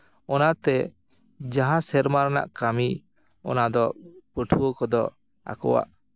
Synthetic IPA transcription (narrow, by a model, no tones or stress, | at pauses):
ɔnat̪ɛ | d͡ʒaɦãsɛɾmaɾana̰ʔkami | ɔ̰nad̪ɔpəʈʰuwɔkɔd̪ɔ | a̰kɔ̰wa̰ʔ